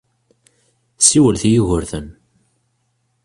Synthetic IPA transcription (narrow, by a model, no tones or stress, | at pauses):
siwəlθjiʝəɾθən